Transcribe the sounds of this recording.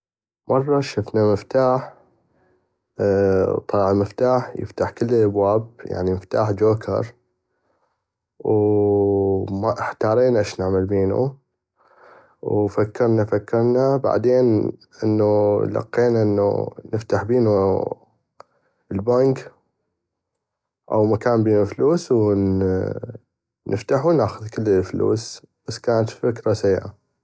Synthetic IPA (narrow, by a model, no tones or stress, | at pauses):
mʔɑrˤːɑʃʊfnaməft̪aːħ | t̪ˤːɑɑːʕaməft̪aːħjɪ̰ft̪aħkəlːɪlʔabwaːb̚ja̰ʕniməft̪a̰ːħd͡ʒoːkʰɑ̰ɾˤ | w | maʔɪħt̪ɑːɾˤiːnʔɪʃnaʕmalbiːnṵ | wfakːɪɾˤnafakːɑɾˤnaba̰ʕd̪eːn | ʔə̰nːulɑ̰qːeːnaʔənːṵnəft̪aħbiːnu | əlbaŋk | ʔa̰wmakaːnbiːnufluːsw | nʔəft̪aħunaːxʊðkɪlːəlflṵːs | b̥asːkaːnat̪fɪkɾasajːʕa̰